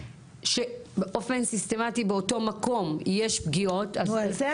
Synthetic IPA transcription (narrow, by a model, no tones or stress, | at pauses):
ʃebeʔo̞fensiste̞matibeoto̞mako̞mjeʃbɡio̞taz